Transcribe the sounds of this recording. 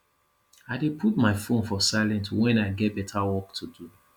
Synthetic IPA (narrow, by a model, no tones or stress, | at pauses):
aɪdepʰutmaɪfõnfɔsaɪlɛ̃ntwɛ̃naɪɡɛt̚bɛtʰawɔk̚tʰudu